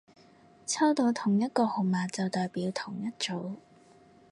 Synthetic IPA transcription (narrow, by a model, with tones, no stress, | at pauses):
t͡sʰɐ˥wt̪o˨˧wt̪ʰʊ˨˩ŋjɐ˥t̚kɔː˧ho˨maː˨t͡sɐ˨wt̪ɔː˨jpiː˨˧˥wt̪ʰʊ˨˩ŋjɐ˥t̚t͡ʃo˨˥w